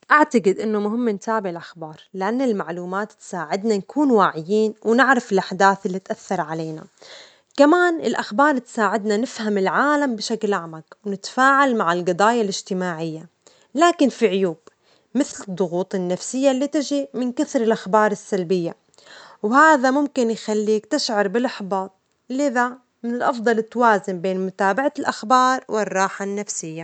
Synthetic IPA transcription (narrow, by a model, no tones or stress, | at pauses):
ʔaʕt̪aɡɪd̪ʔɪnːʊmʊɦɪmːnt̪aːbɪʕɪlʔaxbɑːɾˤlɪʔanːɪlmaʕluːmaːt̪t̪saːʕɪd̪nankuːnwaʕɪjiːnwnɪʕɾafɪlʔaħd̪aːθɪlːit̪ʔaθːɑɾˤʕaleːna̰ | kamaːnɪ̰lʔaxbɑːɾˤt̪saːʕɪd̪nanɪfhamɪlʕaːlambɪʃaklʔaʕmakwnɪt̪faːʕalmaʕɪlɡɑd̪ˤɑːjalʔɪʒt̪ɪmaːʕɪjːa | laːkɪnfiʕʊjuːb | mɪθlɪd̪ˤːʊɣuːt̪ˤɪnːafsɪjːalːiːt̪ɪʒimɪnkaθɾɪlʔaxbɑːɾˤɪsːalbɪjːa | whaːðamʊmkɪnjxalːiːkt̪ɪʃʕɑɾˤbɪlʔaħbɑːt̪̚ˤ | ɪlːɪða | mɪnɪlʔɑfd̪ˤɑlɪt̪ːawaːzɪmbeːnmʊt̪aːbaʕalʔaxbɑːɾˤwʔɪrˤːɑːħanːafsɪjːa